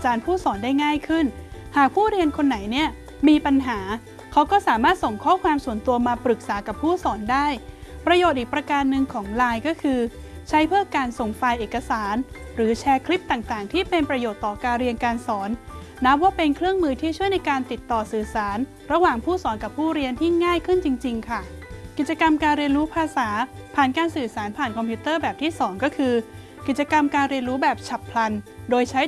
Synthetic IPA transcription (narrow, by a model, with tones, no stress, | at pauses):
a˧t͡ɕaː˧npʰuː˥˩sɔː˩˦ndaː˥˩jŋaː˥˩jkʰɯ˥˩nhaː˨˩k̚pʰuː˥˩ɾi˧ənkʰo˧nːa˩˦jni˥˩ɐ | miː˧pa˧nɦaː˩˦ | kʰa˦˥wkɔː˥˩saː˩˦maː˥˩t̪̚so˨˩ŋkʰɔː˥˩kʰwaː˧msu˨˩˦nt̪u˧ɐmaː˧pɾɯ˨˩k̚saː˩˦ka˨˩pʰːuː˥˩sɔː˩˦ndaː˥˩jpɾa˧joː˨˩t̪̚ʔiː˨˩kpɾa˧kaː˧nːɯ˧ŋkʰɔː˩˦ŋlaː˧jkɔː˥˩kʰɯː˧ | t͡ɕʰa˦˥jpʰɯ˥˩əkaː˧nso˨˩ŋfaː˧jʔeː˨˩kːa˧saː˩˦n | ɾɯː˩˦t͡ɕʰɛː˧kʰli˦˥p̚t̪aː˨˩ŋt̪aː˨˩ŋt̪ʰiː˥˩pe˧npɾa˧joː˨˩t̪ːɔː˨˩kaː˧nɾi˧ənkaː˧nsɔː˩˦nː | a˦˥p̚waː˥˩pe˧nkʰɾɯ˥˩əŋmɯː˧t̪ʰiː˥˩t͡ɕʰu˥˩əjna˧jkaː˧nt̪i˨˩t̪ːɔː˨˩sɯː˨˩saː˩˦n | ɾa˧waː˨˩ŋpʰuː˥˩sɔː˩˦nka˨˩pʰːuː˥˩ɾi˧ənt̪ʰiː˥˩ŋaː˥˩jkʰɯ˥˩nt͡ɕi˧ŋt͡ɕi˧ŋkʰa˥˩ki˨˩t̪̚t͡ɕa˧ka˧mkaː˧nɾi˧ənɾuː˦˥pʰaː˧saː˩˦pʰaː˨˩nkaː˧nsɯː˨˩saː˩˦npʰaː˨˩nkʰɔ˧mpʰiu˦˥t̪ɤː˥˩bɛː˨˩p̚t̪ʰiː˥˩sɔː˩˦ŋkɔː˥˩kʰɯː˧ | ki˨˩t̪̚t͡ɕa˧ka˧mkaː˧nɾi˧ənɾuː˦˥bɛː˨˩p̚t͡ɕʰa˨˩pʰla˧ndoː˧jt͡ɕʰa˦˥j